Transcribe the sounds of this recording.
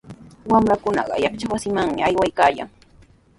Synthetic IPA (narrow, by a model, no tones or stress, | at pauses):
wamɾakʊnɑ̰ɢɑ̰jaɑkt͡ʃawasɪmaŋmɪ̰ajwajkaːja̰ŋ